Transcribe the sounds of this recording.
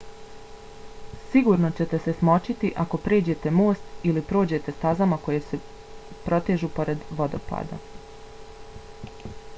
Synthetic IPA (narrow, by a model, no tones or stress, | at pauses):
siɡuɾno̞t͡ɕe̞t̪e̞se̞smo̞t͡ʃit̪iʔako̞pɾe̞ːd͡ʑe̞t̪e̞mo̞ːst̪ilipɾo̞ːd͡ʑe̞t̪e̞st̪azamako̞jese̞ | pɾo̞t̪eʒupo̞ɾe̞d̪ʋo̞d̪o̞̰pa̰ːd̪a̰